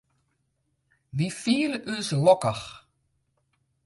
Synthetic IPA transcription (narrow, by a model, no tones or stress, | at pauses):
ʋifiːlʉːslɔkaχ